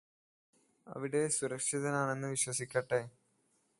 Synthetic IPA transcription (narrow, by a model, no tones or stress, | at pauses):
ɐ̰ʋiɽe̞suɾɐkʂiðɐnaːɳe̞nːɨʋiɕwɐsikʲːɐʈːe